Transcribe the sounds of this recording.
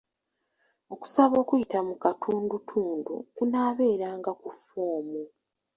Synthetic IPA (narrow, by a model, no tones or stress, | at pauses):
o̞ku̥saβo̞ːkujitamukatʰuːndutʰuːndṵkunaːβe̞ːɾaːŋɡakufoːmu